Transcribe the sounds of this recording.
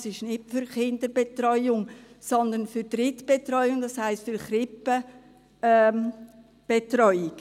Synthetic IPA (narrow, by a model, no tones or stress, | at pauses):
sɪʃnɪtfʏɾχɪndəbetrɔʏʊŋsɔnd̪ənfyɾdɾɪtb̥etrɔʏʊŋdɑshaɪstfyɾχɾɪpːə | m | b̥etrɔʏiɡ̥